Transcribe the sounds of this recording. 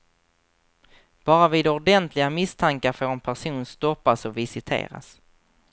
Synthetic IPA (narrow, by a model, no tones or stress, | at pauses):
b̥ɑːɾaviːd̪ɔɖɛnt̪ʰlɪɡamɪst̪ʰaŋkaɾfoːɾɛnpʰæʂuːnst̪ɔpːasɔvɪsɪt̪ʰḛːɾa̰s